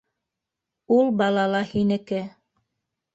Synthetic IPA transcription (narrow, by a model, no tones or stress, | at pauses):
ulˠbɑlˠɑlˠɑhinɘ̆kɘ